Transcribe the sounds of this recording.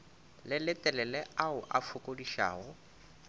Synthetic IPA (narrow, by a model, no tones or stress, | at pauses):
lɪlɪtʼɛlɛlɛaʊʔafʰʊkʼʊdiʃa̰ːɣɔ